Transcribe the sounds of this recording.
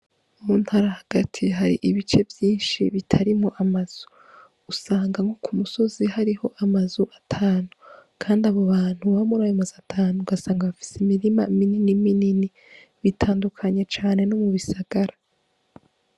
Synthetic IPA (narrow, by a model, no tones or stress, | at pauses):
umuːn̥haɾahaɡ̥atʰiɦaɾḭʔiβit͡ʃe̞vjiːnʃḭβitʰaɾimoʔamaz̥u̥ | usaːŋɡaŋokʰumuso̞zihaɾiho̞ʔamazuʔatʰaːnukʰaːndaβo̞βaːn̥huβamuɾajomazatʰaːnuɡasaːŋɡaβafi̥semiɾimamininiminini | βitʰaːndukʰaɲe̞t͡ʃaːne̞nomuβisaɡ̥aɾa